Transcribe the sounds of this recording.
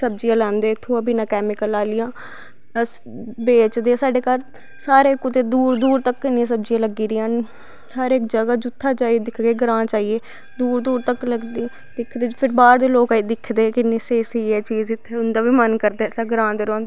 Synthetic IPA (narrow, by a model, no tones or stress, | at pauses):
səb̚d͡ʒɪjãːlɛ̃ːnd̪eːɪt̪ʰːõaːbiːnãːkɛːmɪkəlaːlɪjãː | əs | beːt͡ʃd̪eːãːsaːɖeːkaɾ | saːɾeːkʊt̪eːd̪uːɾd̪uːɾt̪əkːɪnĩs̬əb̚d͡ʒɪjãːləɡːiːɾiːãːn | həɾɪkd͡ʒəɡaːd͡ʒʊt̪ʰːaːt͡ʃaːid̪ɪkʰɡeːɡɾãːt͡ʃaːieː | d̪uːɾd̪uːɾt̪əkːləɡd̪i | d̪ɪkʰːd̪eːpʰɪɾbaːɾd̪eːloːkaiːd̪ɪkʰːd̪eːkɪneːseːseiːɛːt͡ʃiːzɪt̪ʰːeʊnd̪aːbiːmənkəɾd̪eːt̪aɡɾãːnd̪eːɾoːnd̪